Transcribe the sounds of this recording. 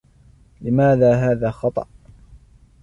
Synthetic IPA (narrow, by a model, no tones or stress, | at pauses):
lɪmaːðaːɦaːðaːxɑt̪ˤɑ̰ʔ